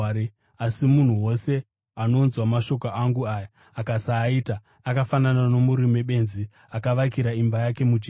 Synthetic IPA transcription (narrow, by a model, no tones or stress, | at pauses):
asimun̤uwo̞se̞ | ano̞nzwamaʃo̞koʔaŋɡuaːja | akasaːiːta | akafananano̞muɾime̞ɓe̞nzi | akaʋakiɾaimbajake̞mud͡ʒi